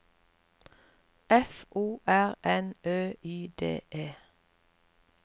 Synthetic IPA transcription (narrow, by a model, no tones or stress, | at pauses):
ʔɛfʔuːʔæʁʔɛnøːyːd̪ḛːʔeː